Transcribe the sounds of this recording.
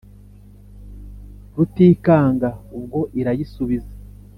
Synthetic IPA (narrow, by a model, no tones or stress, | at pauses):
ɾutiːkaːŋɡaub̚ɡo̞ʔiɾajisuβiza